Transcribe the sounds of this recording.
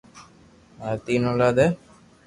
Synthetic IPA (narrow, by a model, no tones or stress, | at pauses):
aɾt̪inolad̪e